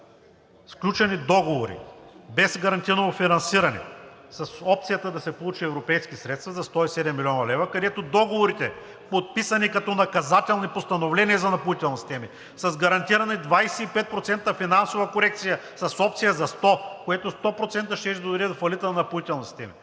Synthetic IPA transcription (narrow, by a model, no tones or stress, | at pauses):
sklʲut͡ʃɛnid̪ɔɡovoɾḭbɛsɡɐɾɐnt̪iɾənoofinɐnsiɾɐnɛ̰ | sɐsɔp̚t̪sijət̪əd̪ɐsɛpolˠut͡ʃiɛvɾopɛjskisɾɛt̪st̪vɐzɐst̪ɔisɛd̪ɛmːilʲiɔnɐlɛvɐkɐd̪ɛt̪od̪ɔɡovoɾit̪ɛ | pot̪̚pisɐnikɐt̪ɔnɐkɐzat̪ɛlˠnipost̪ɐnovlɛnʲiəzɐnɐpolit̪ɛlˠnisi̥st̪ɛmi | sɐzɡɐɾɐnt̪iɾɐnɐd̪vajsɛipɛt̪̚pɾot̪sɛnt̪əfinansovɐkoɾɛk̚t̪sijəsɐsɔpt̪sijəzɐst̪ɔkojɛt̪ost̪ɔpɾot̪sɛnt̪əʃɛʃd̪od̪ɾid̪fɐlit̪ənɐnɐpoit̪ɛlˠnisi̥st̪ɛmḭ